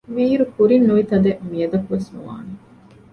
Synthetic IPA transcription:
ʋiːɾukuɾinːuʋit̪ɐd̪eʔmijɐd̪ɐkuʋesnuʋa̰ːne

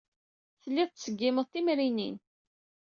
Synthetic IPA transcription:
θəlːiðˤt̪səɡːiməðˤθimɾinḭn

